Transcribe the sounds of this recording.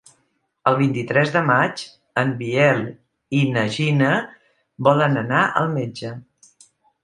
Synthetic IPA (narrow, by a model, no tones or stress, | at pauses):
əlˠβ̞int̪it̪ɾɛzðəmat͡ʃ | əmbiɛl | inəʒinə | bɔlənənaʔə̰lˠmed͡ʒə